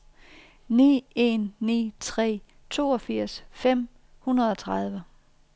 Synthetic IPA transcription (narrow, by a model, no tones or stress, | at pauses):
nḭːe̝nːḭːt͡sʰʁɛ̰ː | t͡sʰo̝̰ːɒ̽fiɐ̰sfem̰ | hunɐð̞ˠɒ̽t͡sʰʁɑ̈ð̞ˠʋə